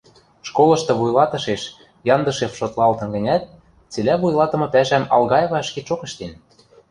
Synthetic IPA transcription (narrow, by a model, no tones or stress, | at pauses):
ʃkolɤ̆ʃt̪ɤ̆βujlɑt̪ɤ̆ʃeʃ | jɑnd̪ɤ̆ʃefʃot̪lˠɑlt̪ɤ̆nɡə̆nʲæt̪̚ | t͡selʲæβujlˠɑt̪ɤ̆mɤ̆pæʃæmɑ̰lɣɑjɤ̆βɑʃket͡ʃokɤ̆ʃt̪en